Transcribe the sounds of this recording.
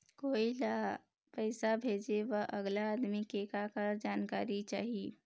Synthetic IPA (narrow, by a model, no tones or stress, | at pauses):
koila | pəɪsabʱed͡ʒeʋəʔəɡlaːd̪mikekakəɾd͡ʒaːnkaɾit͡ʃaːɦi